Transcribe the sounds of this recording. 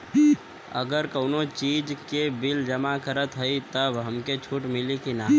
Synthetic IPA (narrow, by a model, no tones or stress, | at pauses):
ə̰ɡəɾkəʊnot͡ʃiːd͡ʒkebɪld͡ʒəmakəɾət̪ɦəit̪əbɦəmket͡ʃʰuːʈmɪlikinaː